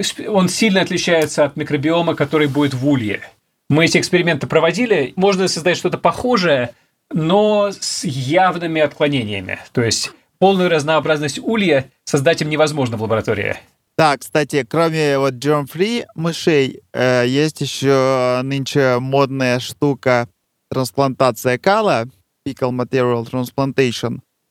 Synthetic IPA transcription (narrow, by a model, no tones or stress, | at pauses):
so̞nsʲilʲnəɐt̪lʲɪt͡ɕæjɪt̪səɐt̪mʲɪkɾəbʲɪo̞məkɐt̪o̞ɾɨjbudʲɪt̪vulʲjɪ̰ | mɨɛtʲɪkspʲɪɾʲɪmʲe̞nt̪ɨpɾəvɐdʲilʲɪmo̞ʐnəsəzd̪atʲʂt̪o̞t̪əpɐxo̞ʐɨjə | no̞sjavnɨmʲɪɐt̪klˠɐnʲenʲɪjə̰mʲɪ̰t̪o̞jɪsʲtʲ | polˠnʊjʊɾəznəɐbɾaznəsʲtʲulʲjɪ | sɐzd̪atʲimnʲɪvɐzmo̞ʐnəvlˠəbəɾɐt̪o̞ɾʲɪ̰ɪ̰ | d̪̥akst̪atʲɪkɾomʲɪvo̞t̪̚dormfɾʲimɨʂejəjesʲtʲjɪɕːonɨnʲt͡ɕɪmo̞d̪̚nəjəʂt̪ukə | t̪ɾənsplˠɐnt̪at̪sɨjəkalˠə | pʲikəlˠmɐt̪ʲeɾʲɪəlˠt̪ɾənsplˠɐnt̪ejʂən